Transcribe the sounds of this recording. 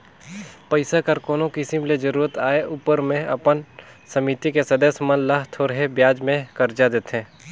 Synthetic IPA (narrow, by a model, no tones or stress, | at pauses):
pəɪsakɐɾkoːnokɪsɪmled͡ʒəɾuːɾət̪aːeʔuːpəɾmẽʔɐ̰pən | sɐmit̪ikesɐd̪əsmənləɦt̪ʰoːɾɦebjaːd͡ʒmẽkɐɾd͡ʒad̪eːt̪ɦẽː